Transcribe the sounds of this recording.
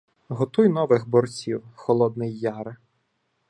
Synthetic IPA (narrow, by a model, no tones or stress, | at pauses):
ɦɔt̪ujnɔʋɪɣbɔrt͡sʲiwxɔlˠɔd̪̚nɪjːɑɾɪ